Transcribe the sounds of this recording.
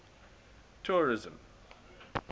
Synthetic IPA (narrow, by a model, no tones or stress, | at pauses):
tʰuːɹɪzə̃m